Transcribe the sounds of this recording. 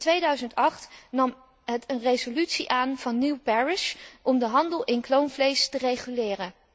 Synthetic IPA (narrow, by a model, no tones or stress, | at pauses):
tʋejdœɥzəntɑχtnɑm | ɦətənrejzolytsiʔaːnv̥ɑnːiwpɛɹɪʃʔɔmdəɦɑndəlˠʔɪnklownvlejstərejχylɪːrə